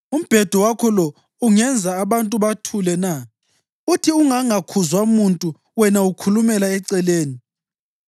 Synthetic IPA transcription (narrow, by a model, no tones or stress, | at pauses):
um̩b̥ʱɛd̥ʱɔwakʰɔlɔ | uŋɛnd͡zʱaːβantʼuβatʰulɛna | utʰiuŋaŋakʰuzwamuntʼu | wɛnaukʰulumɛlaɛǀɛleːni